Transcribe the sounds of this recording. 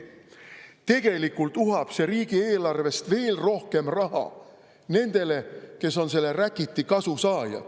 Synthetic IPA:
t̪e̞ɡ̥e̞likːˑult̪uɦɑpseriːɡ̥ieːlɑrve̞st̪ve̞ːlro̞hke̞mrɑɦɑ̰ | ne̞nd̪̥e̞le̞ke̞so̞nse̞lːerækːit̪ːikɑsusɑːjɑ̰̥

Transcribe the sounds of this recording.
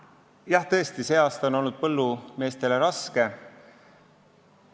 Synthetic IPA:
jɑht̪ɤ̞est̪ise̞ːɑːst̪ɑo̞no̞lnud̪̥̚pɤlːume̞ːst̪e̞le̞ɾɑske̞

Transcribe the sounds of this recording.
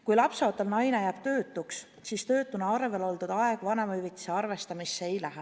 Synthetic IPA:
kujlɑpsɑot̪ːˑɑlnɑjne̞jæːb̥̚t̪ø̞ːt̪ːˑuks | sist̪ø̞ːt̪ːˑunɑɑrve̞lo̞ld̪ud̪̥ɑeɡ̥vɑnemɑyvit̪ːˑi̥se̞ɑrve̞st̪ɑmisːeejlæɦe

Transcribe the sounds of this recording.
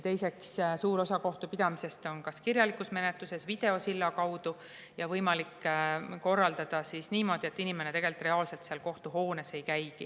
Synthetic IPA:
t̪e̞jse̞kssuːɾo̞sɑko̞ht̪upid̪ɑmise̞st̪o̞nkɑskirjɑlikːˑusme̞net̪luse̞svid̪̥e̞o̞silːɑkɑwd̪u | jɑvɤjmɑlikːko̞rːɑld̪̥ɑd̪̥ɑsisniːmo̞ːd̪ie̞t̪ːinʲime̞neeɡ̥e̞lit̪ːˑre̞ɑːlse̞lt̪seɑlko̞ht̪uɦo̞ːne̞se̞jkæjɡ̥ḭ

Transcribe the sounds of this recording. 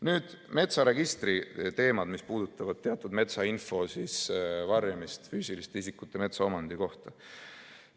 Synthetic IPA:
nyːd̪̥me̞t̪sɑɾe̞ɡ̥ist̪rit̪e̞ːmɑd̪mispuːd̪̥ut̪ːˑɑvɑd̪̥̚t̪eɑt̪ːˑud̪me̞t̪sɑinfo̞sisvɑrjɑmist̪fyːsilist̪eisikːˑut̪ːˑeme̞t̪sɑo̞mɑnd̪̥iko̞ht̪ɑ

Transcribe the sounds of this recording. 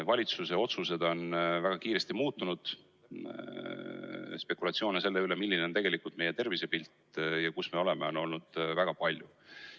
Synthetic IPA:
vɑlʲit̪suse̞o̞t̪suse̞d̪̥o̞nvæɡ̥ɑkiːɾe̞st̪imuːt̪ːunud̪̥ | spe̞kːulɑt̪sio̞ːnese̞lːe̞yle̞milːinet̪e̞ɡ̥e̞likult̪me̞jet̪e̞rvise̞pilt̪jɑkusme̞o̞le̞me̞o̞no̞lnud̪̥væɡ̥ɑpɑlʲju

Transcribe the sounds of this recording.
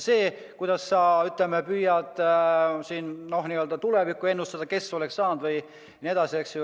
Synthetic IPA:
se̞ː | kujd̪̥ɑsːɑyt̪lemepyːjɑt̪ːˑsiːnno̞ɦniøld̪̥ɑt̪ulevikːˑue̞nːust̪ɑd̪̥ɑke̞sːo̞leksːɑːnd̪̥vɤj | nie̞d̪̥ɑsieks

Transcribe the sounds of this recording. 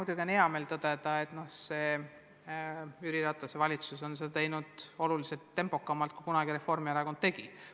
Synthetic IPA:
ud̪jukeneɑme̞ːlt̪ɤd̪̥e̞d̪̥ɑet̪no̞hse̞ː | yɾiɾɑt̪ːˑɑsevɑlʲit̪suso̞nsed̪ɑt̪e̞jnud̪̥o̞lulise̞lt̪ːe̞mpˑo̞kːˑɑmːɑlt̪̚ku̥kunɑɡ̥iɾe̞fo̞rmieɾɑkod̪̥̚t̪e̞ɡ̥i

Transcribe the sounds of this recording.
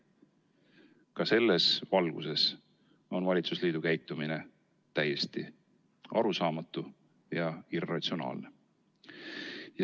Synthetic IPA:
kɑse̞lːesvɑlɡ̥ṵse̞s | o̞nvɑlʲit̪susliːd̪̥ukæjt̪ːˑumine̞ | t̪æjest̪i | ɑ̰ɾusɑːmɑt̪ːˑu | jɑirːɑt̪sio̞nɑ̰ːlne | j

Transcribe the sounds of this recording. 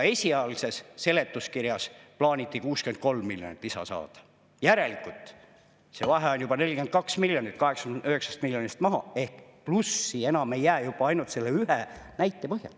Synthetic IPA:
e̞sʲiɑjɑlise̞sːe̞le̞t̪ːˑuskiɾjɑsplɑːnʲit̪ːˑikuːskyed̪̥̚ko̞lmːilʲjonḭt̪ːˑisɑ̰sɑ̰ːd̪̥ɑ̥ | jæɾe̞likːˑult̪ˑ | se̞vɑɦeo̞njub̥ɑne̞lʲkend̪̥kɑksmiljonit̪ːˑkɑɦe̞ksɑ̥yheksɑ̥st̪milʲjonist̪mɑɦɑ̰e̞hkplusːie̞nɑme̞jːæːjubɑɑjnult̪se̞lːeyɦenæjt̪ːˑe̞pɤɦjɑ̰l

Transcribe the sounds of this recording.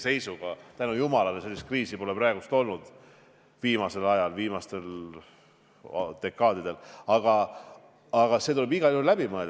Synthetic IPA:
se̞jsuɡ̥ɑt̪ænujumɑlɑlese̞lʲːist̪̚kriːsipo̞leprɑe̞ɡust̪o̞lnud̪̥ | viːmɑse̞lɑjɑlviːmɑst̪e̞l | d̪̥e̞kːˑɑːd̪id̪̥e̞lɑɡ̥ɑ | ɑɡ̥ɑse̞t̪ule̞biɡɑlulæb̥imɯel

